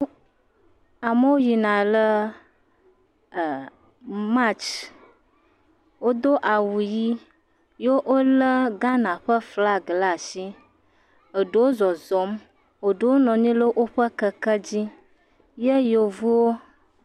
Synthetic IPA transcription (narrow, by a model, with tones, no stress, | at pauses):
a˨mə˦wo˦ji˨nã˨lə˦˨ | mã˦t͡ʃ | wo˦d̪o˦ʔa˨wu˨ji˦ | jo˦ʔo˦lə˦ɡã˦nã˨ɸə˦fla˦ɡla˦˨ʃi˦ | ə˨ɖə˨wo˦zɔ˨zɔ˨˦m | o˨ɖə˨wo˦nɔ̃˨ɲĩ˦lə˦ʔo˦ɸə˦kə˦kə˦d͡ʑi˦ | je˦jo˨vu˦wo˦